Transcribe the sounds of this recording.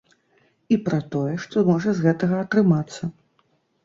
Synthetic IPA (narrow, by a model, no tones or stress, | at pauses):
ipɾɐt̪ɔjɛʂt̪ɔmɔʐɐzɣɛt̪ɐɣɐːt̪ɾɨmat̪sːɐ